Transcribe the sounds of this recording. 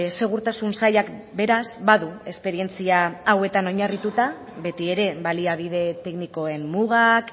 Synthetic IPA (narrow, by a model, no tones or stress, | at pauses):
se̞ɣ̞uɾt̪asunsajakbe̞ɾasbaðue̞spe̞ɾie̞nt͡siaːwe̞t̪ano̞ɲarit̪ut̪a | βe̞t̪ie̞ɾe̞βaliaβ̞iðe̞t̪e̞kniko̞e̞mmuɣ̞ak